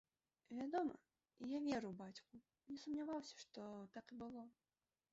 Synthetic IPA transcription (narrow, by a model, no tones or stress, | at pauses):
vʲad̪ɔmɐ̰ | javʲɛɾɨwbat͡sʲku | mnʲɛsumnʲavawsʲɐ̥ʂt̪ɔt̪akɨbɨlˠɔ